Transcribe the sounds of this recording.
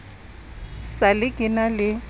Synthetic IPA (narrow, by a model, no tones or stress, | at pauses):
salɪkʼɪnalɪ